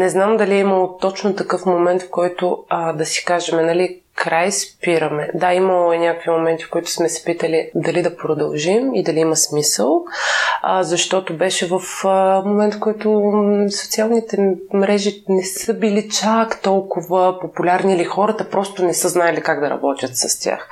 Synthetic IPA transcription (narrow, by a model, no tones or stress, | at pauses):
nɛznamd̪ɐliɛimɐlˠot̪ɔt͡ʃnʊt̪ɐkɤfmomɛnt̪fkɔjt̪ʊəd̪ɐsi̥kaʒɛmɛnɐli | kɾajspiɾəmɛd̪aimɐlˠoɛnʲakvimomɛnt̪i̥fkoit̪ʊ̥smɛsɛ̥pit̪əlid̪ɐlid̪ɐpɾod̪ɐlˠʒimid̪ɐliimɐsmisəlˠ | zɐʃt̪ɔt̪obɛʃɛvəfəmomɛnt̪fkɔjt̪ʊso̥t̪sialˠnit̪ɛmɾɛʒinɛsɤbilit͡ʃakt̪ɔlˠkʊvəpopulʲaɾnilixɔɾɐt̪əpɾɔst̪ʊnɛsɤznaɛlikaɡd̪ɐɾɐ̰bɔt̪ʲjət̪sɐst̪ʲja̰x